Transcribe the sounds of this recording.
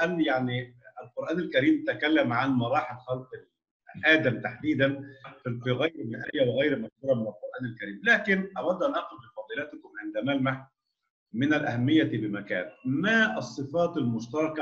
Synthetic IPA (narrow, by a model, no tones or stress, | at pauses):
ʔænːjaʕniɪlqoɾˤʔæːnælkæɾiːmt̪akælːæmʕanmɑɾˤɑːħɪlxɑlqɪl | ʔæːd̪æmt̪aħd̪iːd̪ænfiɣæjɾmɪʔæjːæwɪɣæjɾmæʃkuːɾˤɑmɪnælqoɾˤʔæːnælkæɾiːmlæːkɪnʔɑwɑd̪ʔænʔɑqʊd̪bɪfɑːd̪ˤiːlæt̪kʊmʕɪnd̪æmælmaħ | mɪnælʔæ̰hæmːɪjːæbɪmækæ̰ːnmæʔɑsˤːɨfɑːt̪almʊʃt̪ɑɾˤɑkɑ